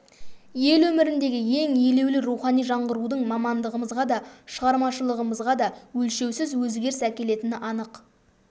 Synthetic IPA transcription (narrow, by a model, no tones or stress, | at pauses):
je̞lwɵmɪɾɪnd̪e̞ɡʲɪje̞ŋje̞le̞wlɪɾuwχɑnijʒɑɴʁəɾud̪əɴmɑmɑnd̪əʁəməzʁɑd̪ɑʃəʁɑɾmɑʃəlˠəʁəməzʁɑd̪ɑwɵlʃe̞wsɪzwɵzɡʲe̞ɾɪsækʲe̞le̞t̪ɪnɪʔɑnəq